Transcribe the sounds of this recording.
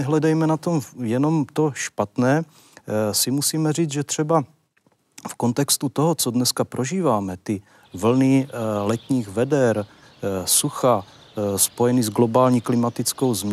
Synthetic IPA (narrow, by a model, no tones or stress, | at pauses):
ɛɦlɛdɛjmɛnat̪o̞mjɛno̞mt̪o̞ʃpat̪nɛː | sɪmusiːmɛriːd͡zʒɛt̪r̝̥ɛba | fko̞nt̪ɛkst̪ut̪oɦot͡sodnɛskapɾʔoʒiːvaːmɛt̪ɪ | vl̩nɪlɛt̪ɲiːɣvɛdɛɾ | suxa | spo̞jɛnɪzɡlo̞baːlɲiːklɪmat̪ɪt͡sko̞wzm